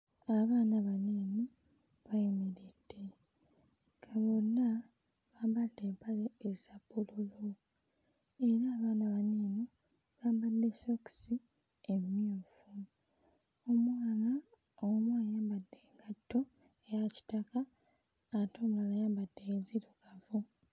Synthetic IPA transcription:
aβaːnaβaniːni | βajimiɾid̥ːe̞ | ɡaβonːa | βaːmbadːe̞ːmpaleːzabululu | e̞ɾaːβaːnaβaniːni | kaːmbadːe̞soksi | emuːfu | omwaːna | omwaːjaːmbadːe̞ːŋɡatːo̞ | ejaci̥takaː | toːmlaβajaːmbadːeziɾokavu

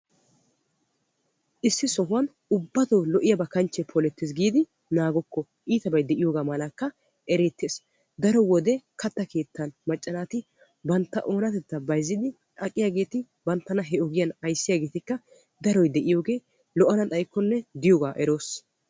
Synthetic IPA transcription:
ʔɪsːɪsɔɦʊwɐn | ʊbːɐt̪oːlɔʔɪjɐbɐkɐnt͡ʃːɛpʰɔlɛt̪ːɪs̬ɡiːd̪ɪ | naːɡɔkːɔ | ʔiːt̪ɐbɐjd̪ɛʔɪjoːɡaːmɐlakːɐ | ʔɛɾeːt̪ːeːs | d̪ɐɾɔwɔd̪ɛkʰɐt̪ːɐke̞ːt̪ːɐnmɐt͡ʃʼːɐnaːt̪ɪ | bɐnt̪ːɐ̰ʔo̞ːnɐt̪ɛt̪ːɐbɐjzːɪd̪ɪ | ɐkʼːɪjaːɡe̞ːt̪ɪ | bɐnt̪ːɐnɐɦɛʔɔɡɪjɐnɐjsːɪjaːɡe̞ːt̪ɪkːɐ | d̪ɐɾɔjd̪ɛʔɪjo̞ːɡe̞ː | lɔʔɐnɐt̪ʼɐjkːɔnːɛd̪ɪjoːɡaːʔɛɾo̞ːs

